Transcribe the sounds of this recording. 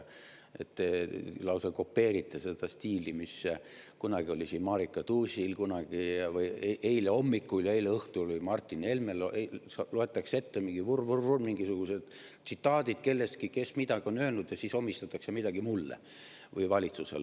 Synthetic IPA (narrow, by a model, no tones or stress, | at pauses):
e̞̰t̪ːelɑwsɑko̞pːe̞ːɾit̪ˑːese̞d̪̥ɑst̪iːlimis | kunɑɡ̥io̞lʲisiːnmɑːɾikːˑɑt̪uːsʲilkunɑɡ̥ivɯjʔe̞jleo̞mːikːuljɑejleɤht̪ulvɯjmɑrt̪ʲːˑine̞lmelʔesɑloe̞t̪ːˑɑkse̞t̪ːemiŋɡivurvururmiŋɡisuɡ̥use̞d̪̥t̪sit̪ːˑɑːd̪̥id̪̥̚ke̞lːe̞st̪̚kike̞smid̪ɑɡio̞nø̞ːlnud̪̥jɑsiːsomːist̪ɑt̪ːˑɑksemid̪ɑɡ̥imulːḛ | vɯjvɑlʲit̪suse̞̰l